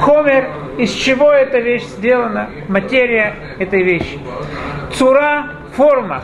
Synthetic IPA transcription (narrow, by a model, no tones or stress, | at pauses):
xomʲɪr | ɪsʲt͡ɕɪvo̞ɛt̪əvʲeɕz̥ʲdʲe̞lˠənə | mɐtʲeɾʲɪjə | ɛt̪əjvʲeɕːɪ̥t̪sʊɾa | formə